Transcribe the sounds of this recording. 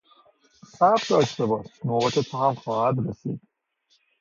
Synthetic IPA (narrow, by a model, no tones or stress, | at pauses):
sæfd̪ɒːʃt̪ebɒːʃnoːʁɛt̪ʰet̪ʰːɦæmxɒːhæd̪ɾesḭːd̪̥̚